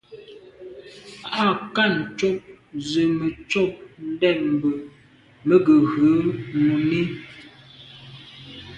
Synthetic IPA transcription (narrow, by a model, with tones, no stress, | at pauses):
a˦˨ka˦˨n̩˨t͡ʃɔ˦˨p̚zə˨mə˨t͡ʃɔ˦˨p̚n̩˦dɛ˦˨m̩˨bə˨ | mə˦ɡə˨ɣə˨˦nu˨me˦